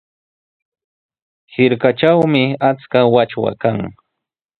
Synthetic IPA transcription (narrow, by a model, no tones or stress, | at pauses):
hɪɾkat͡ʃawmɪat͡skawat͡ʃwa̰kaŋ